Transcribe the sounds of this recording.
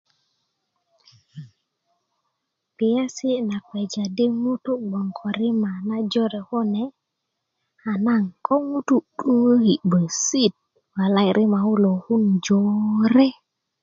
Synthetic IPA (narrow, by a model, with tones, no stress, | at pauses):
pi˨ja˦si˦na˨kwe˨d͡ʒa˨di˦mu˦tu˦ɡ͡bɔ˨ŋkʰo˨ɾi˦ma˨na˦d͡ʒo˦ɾɛ˨ho˦nɛ˨ | a˨naŋko˦ŋu˦tu˦ɗu˦wə˦hi˨bo˨jsi˦t̚ | wa˨la˦jɾʔi˦ma˨hu˦lo˨hu˦nd͡ʒoɾɛ˦